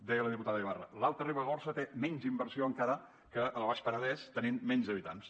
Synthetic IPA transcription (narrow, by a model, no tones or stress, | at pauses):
d̪ɛjələðiput̪aðəiβarə̰lalˠt̪ɾəriβəɣɔrsət̪emɛɲzimbəɾsioəŋkaɾə | kəəlˠβaʃpəɾəðɛst̪ənimmɛnzəβit̪a̰ns